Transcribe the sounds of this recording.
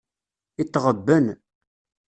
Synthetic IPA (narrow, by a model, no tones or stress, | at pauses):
it̪ːʁəbːən